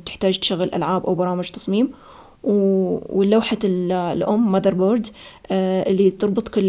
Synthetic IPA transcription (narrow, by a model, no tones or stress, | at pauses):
t̪ɪ̥ħt̪aːd͡ʒt̪ʃaɣːɪlʔa̰lʕaːbʔawbɑɾˤɑːmɪd͡ʒt̪ɑ̥sˤmiːm | wɪlːawħalʔʊmːaðɑɾˤboːɾd̪ | ʔɪlːit̪ɨɾˤbɨt̪ˤkʊlː